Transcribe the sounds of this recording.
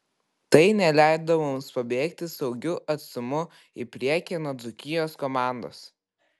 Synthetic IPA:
t̪ɐɪnʲɛlʲæˑɪd̪omʊmspɐbʲeːkt̪ʲɪsɒʊɡʲʊʔɐt̪sʊmʊ | ipʲɾʲiɛkʲenoːd̪zʊkʲɪjoːskɔmɑˑnd̪o̰ːs

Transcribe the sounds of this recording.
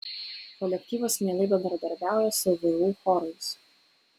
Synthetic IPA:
kɔlʲɛkʲt̪ʲiːʋosmʲeːlˠɐɪbʲɛnd̪ɾɐd̪ɐɾʲbʲæˑʊjɛsʊʋʲɪuːxɔɾɐɪs

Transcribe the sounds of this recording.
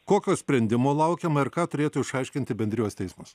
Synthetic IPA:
koːkʲoːsʲpʲɾʲɛnʲd̪ʲɪmoːlˠɐʊkʲeːmɐɪɾkɑːt̪ʊɾʲeːt̪ʊːɪʃɐɪʃʲkʲɪnʲt̪ʲɪbʲɛnd̪ʲɾʲɪjoːst̪ʲɛɪsmʊs

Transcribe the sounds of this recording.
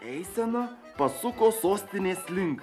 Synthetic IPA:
ɛɪsʲɛno | pɐsʊkoːsoːsʲt̪ʲɪnʲeːsʲlʲɪŋk

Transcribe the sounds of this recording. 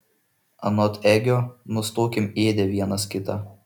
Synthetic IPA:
ɐ̰nɔt̪ʰɛɡʲonʊst̪oːkʲɪmeːd̪ʲɛʋʲiɛnɐskʲɪt̪ɑ

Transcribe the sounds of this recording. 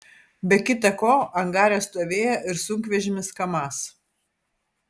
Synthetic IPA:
bʲɛkʲɪt̪ɐkoːɐŋɡɑːɾʲoːst̪oːʋʲeːjɛʔɪɾsʊŋʲkʋʲɛʒʲɪmʲɪskɐmɑːs

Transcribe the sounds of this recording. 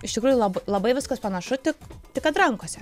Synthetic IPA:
ɪʃt̪ʲɪkɾuːjuʊlˠɐbɐlˠɐbɐɪʋʲɪskɐspɐnɐʃʊt̪ʲɪkt̪ʲɪkɐt̪ɾɐŋkoːsʲɛ

